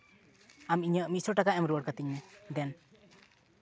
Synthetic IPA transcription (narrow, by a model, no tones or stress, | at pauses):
amiɲəʔmisɔʈakaɛmɾuəɽ̚kat̪iɲnɛd̪ɛn